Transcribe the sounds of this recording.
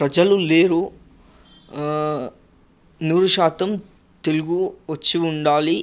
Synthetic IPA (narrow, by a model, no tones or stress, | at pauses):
pɾɐd͡ʒɐluleːɾu | nuːɾuʃaːt̪ɐm | t̪e̞luɡuʋɐt͡ʃːiuɳɖaːli